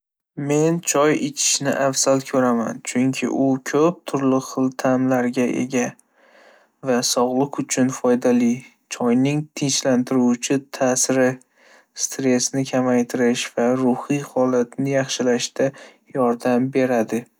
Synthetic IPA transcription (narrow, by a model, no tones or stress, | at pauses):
me̞nt͡ʃʰɒjɪt͡ʃʰɪ̥ʃnɪ̰ʔafz̥alkʲʰɵɾama̰nt͡ʃʰʊŋkʲʰɪ̰ʔʊkʲʰɵp̚t̪ʰʊɾlɪχɨlˠt̪ʰamlaɾɡʲaʔe̞̰ɡʲa | vasɒʁlˠɨqʊt͡ʃʰʊnfɒjd̪ali | t͡ʃʰɒjnɪŋt̪ʰɪnt͡ʃlant̪ʰɪɾut͡ʃʰɪt̪ʰasɪɾɪ | st̪ɾe̞snɪkʲʰamajt̪ʰɪɾɪʃv̥aɾʊhijhɒlat̪nɪjɑχʃɪlaʃd̪a | jɒɾd̪ambe̞ɾad̪ɪ